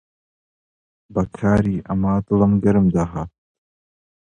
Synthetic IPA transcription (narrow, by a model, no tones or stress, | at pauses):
bɐkʰaːɾiːʔɐmaːd̪ɨlɐmɡɐɾɨmd̪aɦaːt̪̚